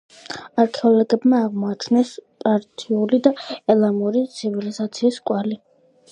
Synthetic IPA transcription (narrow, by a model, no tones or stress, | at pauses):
aɾkʰɛɔlɔɡɛbmaːʁmɔat͡ʃʰnɛspʼaɾt̪ʰiulid̪aɛlˠamuɾit̪sʰivilizat̪sʰiːskʼwali